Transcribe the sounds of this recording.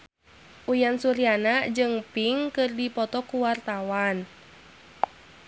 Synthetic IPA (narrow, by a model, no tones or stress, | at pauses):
ʔujansuɾianad͡ʒɨŋpiŋkɨrdipɔt̪ɔkuwart̪awan